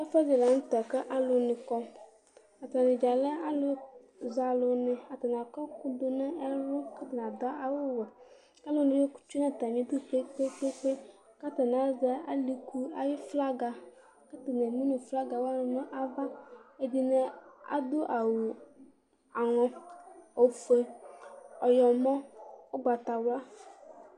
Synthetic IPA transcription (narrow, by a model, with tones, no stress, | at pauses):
a˦fa˦zɪ˨la˨n̩˦tɛ˨kə˦ʔa˦lʊ˨˦nɪ˨kɔ˦ | a˨ta˨nɪ˨d͡ʒa˨lɛ˦a˦lʊ˨ | za˨lʊ˨nɪ˨a˨ta˨na˨kɔ˦kʊ˦dʊ˨nɛ˦ɛ˦lʊ˦ka˦ta˨na˨dɔ˦a˨wʊ˦wɛ˨ | ka˦lʊ˦nɪ̃˨we˦ku̥˦t͡ʃu˦na˦˨ta˨mĩ˨˦d̪ʊ˦k͡pe˦k͡pe˦k͡pe˦k͡pe˦ | ka˦ta˨n˨a˨za˦a˦li˨ku˦a˨jɪ˦fla˦ɡa˨ | ka˦ta˨ne˨ni˦nʊ˨fla˦ɡa˨wa˦nʊ˨nʊ˦ʔa˦va˦e˨di˨ne˨a̰˨dʊ˦ʔa˨wʊ˨ | a˨ŋɔ˨o˨fe˨ | ɔ˨jɔ˨mɔ˦ʊ˦ɡ͡ba˨ta˨wa˦